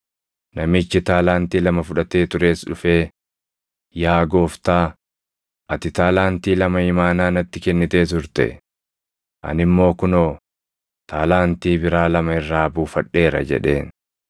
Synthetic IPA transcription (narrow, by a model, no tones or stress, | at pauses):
nɐmɪt͡ʃːɪt̪aːlaːnt̪iːlɐmɐfʊᶑɐt̪e̞ːt̪ʊɾe̞ːsᶑʊfe̞ː | jaːɡo̞ːft̪aː | ʔɐt̪ɪt̪aːlaːnt̪iːlɐmɐɪmaːnaːnɐt̪ːɪkɛnːɪt̪e̞ːt̪ʊɾt̪ɛ̰ | ʔɐ̰nɪmːo̞ːkʊnoː | t̪ʰaːlaːnt̪iːbɪɾaːlɐmɐɪrːaːbuːfɐᶑːe̞ːɾɐ̰d͡ʒɛ̰ᶑe̞̰ːn